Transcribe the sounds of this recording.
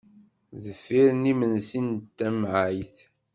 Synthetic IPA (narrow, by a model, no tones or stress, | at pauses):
ðəfːiɾnimənsint̪ːæmʕajθ